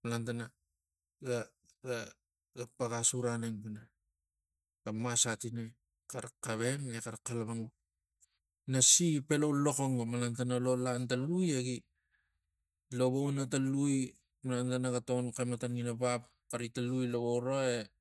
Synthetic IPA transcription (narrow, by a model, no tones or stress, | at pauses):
malantana | ɡa | ɡa | ɡapaɡasuɾaneŋpina | ɡamasatine | kaɾakaβe̞nekaɾkːalaβaŋu | nasipe̞lowlo̞koŋamalantanalo̞lantalujeɡi | lo̞βownataluj | malantanaɡatonkamatanŋinapap | kaɾitalujloβowɾoe